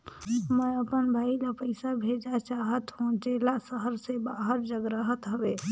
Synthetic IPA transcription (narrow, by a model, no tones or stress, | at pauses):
mɛ̃əpənbʱaːilapəɪsabʱeːd͡ʒat͡ʃaːɦət̪ɦõːt͡ʃeːlasəɦəɾsebaːɦəɾd͡ʒəɡɾəɦət̪ɦəʋeː